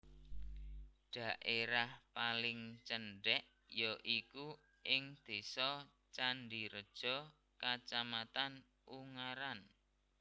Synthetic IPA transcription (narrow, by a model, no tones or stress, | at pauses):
ɖ̥a̤ʔeɾahpalɪŋt͡ʃəɳɖɛʔ | joʔiku | ʔɪŋd̪̥e̤sɔ | t͡ʃanɖiɾəd̥ʒ̥ɔ̤ | kat͡ʃamat̪an | ʔuŋaɾan